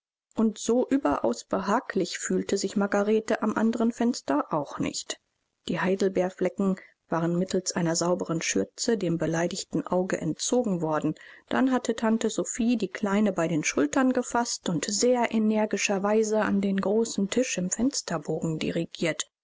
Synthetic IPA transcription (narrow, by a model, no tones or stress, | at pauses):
ʔʊntz̥oːʔyːbɐʔa̰ʊsb̥əɦaːklɪçfyːltəzɪçmaɡaʁeːtəʔamʔa̰ndəʁənfɛnstɐʔaʊxnɪ̰çt | d̥iːhaɪdl̩bɛːɐflɛkŋ̩ | v̥aːʁənmɪtʰl̩sʔaɪnɐzaʊbəʁənʃʏɐt͡sədeːmbəlaɪdɪçtn̩ʔaʊɡə̰ʔɛ̰ntt͡soːɡŋ̩vɔɐdn̩d̥a̰nɦatʰətʰantəzofiːdiːkʰl̥aɪnəbaɪɾeːnʃʊltɐnɡəfastʊntz̥eːɐʔenɛɐɡɪʃɐvaɪzəa̰ndeːnɡʁoːsn̩tʰɪʃɪmfɛnstɐboːɡŋ̩dḭʁiɡiːɐt